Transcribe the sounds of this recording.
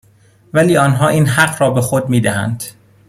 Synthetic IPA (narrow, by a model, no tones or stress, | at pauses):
væliːɒːnɦɒːʔiːnɦæɢɾɒːbe̞xod̪̚miːd̪æhæ̰nd̪̥